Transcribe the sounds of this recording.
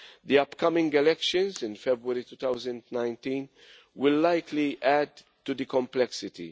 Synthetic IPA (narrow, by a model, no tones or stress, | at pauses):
d̪iʌpkʌmɪ̃ŋɡɛlɛkʃə̃nzɪ̃nfɛbɾəɾit̪uːt̪aʊzə̃ndnãɪ̃ntĩːn | wɪlːaɪkʰliʔæd | tud̪ɨkɔ̃mplɛksɪtḭ